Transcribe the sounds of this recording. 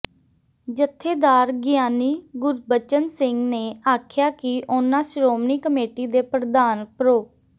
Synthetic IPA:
d͡ʒət̪ʰːeːd̪aːɾɡjaːniːɡʊɾbət͡ʃənsɪŋɡneːaːkʰjaːkɪʔʊnãːʃɾoːmniːkəmeːʈiːd̪eːpɾəd̪aːnpəɾoː

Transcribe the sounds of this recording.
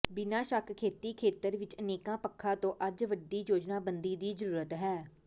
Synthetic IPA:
bɪnaːʃakkʰeːt̪iːkʰeːt̪əɾʋɪt͡ʃəneːkãːpəkʰːaːt̪õːʔəd͡ʒʋəɖiːjoːd͡ʒnaːbənd̪iːd̪iːzəɾuːɾət̪ɦɛː

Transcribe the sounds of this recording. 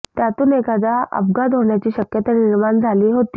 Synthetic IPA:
t̪jat̪uːnekad͡z̪aə̰bɡad̪ɦoɳjat͡ɕiːɕəkjət̪əniɾmand͡zʱaliːɦot̪iː

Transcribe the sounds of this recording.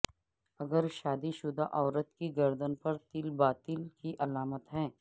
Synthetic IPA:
ɐɡəɾʃaːd̪iʃʊd̪aʔɔːɾət̪kiɡɐɾd̪ənpɐɾt̪ɪlbaːt̪ɪlkiʔɐlaːmət̪ɦɛ̃ː

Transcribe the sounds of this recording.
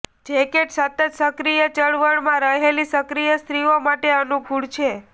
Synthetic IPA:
d͡ʒekeʈsət̪ət̪səkɾijət͡ʃəɭʋəɽmãɾəɦelisəkɾijəst̪ɾiomaʈeənuɡʱuɽt͡ʃʰe

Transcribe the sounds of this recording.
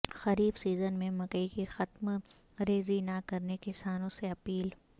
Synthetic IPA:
xɐɾiːbsiːzənmẽmɐkəikixɐt̪m | ɾeːzinakɐɾnekɪsaːnõseɐpiːl

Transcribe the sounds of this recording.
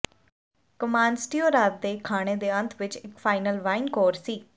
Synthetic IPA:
kəmaːnsʈiːoːɾaːt̪̚d̪eːkʰaːɽ̃eːd̪eːə̃nt̪ʰʋɪt͡ʃɪkfʰaːɪnəlʋaːɪnkoːɾsiː

